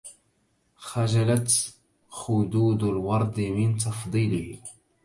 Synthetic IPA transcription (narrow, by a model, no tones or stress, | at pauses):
xaʒalat̪ | xʊd̪uːd̪alwɑɾˤd̪ˤmɪnt̪ɑfd̪ˤiːlɪh